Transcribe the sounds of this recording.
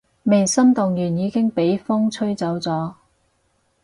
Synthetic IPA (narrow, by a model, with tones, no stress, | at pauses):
me˨˩jsɐ˥mt̪ʊ˨ŋjyː˨˩njiː˨˧kɪ˥ŋpe˨˥jfʊ˥ŋt͡sʰɵ˥ɥt͡sɐ˨˥wt͡sɔː˨˥